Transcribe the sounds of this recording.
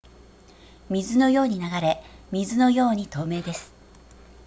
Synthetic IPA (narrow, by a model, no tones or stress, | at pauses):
mʲizɨno̞jo̞ːɲ̟inaɡaɾe̞mʲizɨno̞jo̞ːɲ̟it̪o̞ːme̞ːd̪e̞sɨ̥